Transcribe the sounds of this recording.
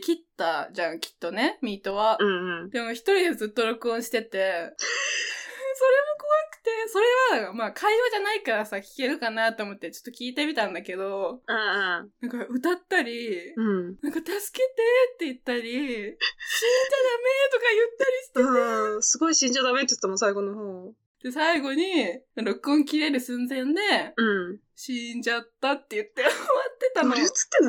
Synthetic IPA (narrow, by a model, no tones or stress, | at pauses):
kʲit̪ːaʑãŋkʲi̥t̪ːo̞ne̞mʲit̪o̞βaɯ̃d̪̥e̞moçi̥t̪o̞ɾʲid̪e̞zɨt̪ːo̞ɾo̞kɯ̟õɰ̃ɕi̥t̪e̞t̪e̞ | so̞ɾe̞mo̞ko̞βakɯ̟̥t̪e̞so̞ɾe̞βamaːkʰaioʑanaikaɾasakʲi̥ke̞ɾɯ̟kanat̪ːo̞mo̞t̪ːet͡ɕo̥t̪ːo̞kʲiːt̪e̞mʲit̪ãnd̪ake̞d̪o̞anãŋkaɯ̟t̪at̪ːaɾʲiɯ̃nãŋkat̪asɨ̥ke̞t̪e̞t̪ːe̞ɯt̪ːaɾʲi | ɕĩɲd͡ʑad̪ame̞t̪o̞kajɯt̪ːaɾʲiɕi̥t̪eesɨɡo̞iɕĩɲd͡ʑad̪ame̞t̪ːej̥t̪ːamosaiɡo̞noɦoː | d̪̥e̞saiɡo̞ɲ̟iɾo̞kɯ̟õŋkʲiɾe̞ɾɯ̟sẽnd͡zẽ̞nd̪e̞ɯ̟̃ | ɕĩɲd͡ʑat̪ːat̪ːe̞jɯ̟t̪ːe̞βat̪ːe̞t̪anoɾit͡sɨ̥t̪ːen